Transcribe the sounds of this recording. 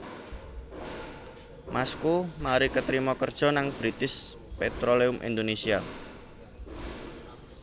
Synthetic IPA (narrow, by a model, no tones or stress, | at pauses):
mʔaskumaɾikət̪ɾimɔkərd̥ʒ̥ɔ̤naŋb̥ɾit̪ɪs | pet̪ɾoleʊmʔḭnd̪onesia